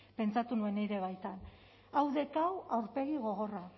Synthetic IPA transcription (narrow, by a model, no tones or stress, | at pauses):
pe̞nt͡sat̪unue̞neɾe̞β̞ajt̪an | awðe̞kawawɾpe̞ɣiɣo̞ɣo̞ra